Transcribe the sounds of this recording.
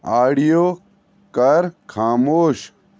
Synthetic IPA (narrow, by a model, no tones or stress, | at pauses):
aːɽijo | kɐɾkʰaːmoːɕ